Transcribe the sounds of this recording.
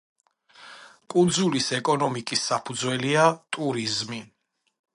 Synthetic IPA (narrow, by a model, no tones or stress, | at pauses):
kʼund̪zulisɛkʼɔnɔmikʼisːapʰud̪zwɛliat̪ʼuɾizmi